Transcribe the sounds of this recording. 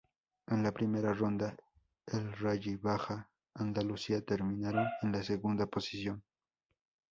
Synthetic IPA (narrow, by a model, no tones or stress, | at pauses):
enlapɾɪmeɾarond̪a | elraʎɪbaxaː | nd̪alʊsiat̪eɾmɪnaɾoŋenlaseɣund̪aposɪ̥sjoŋ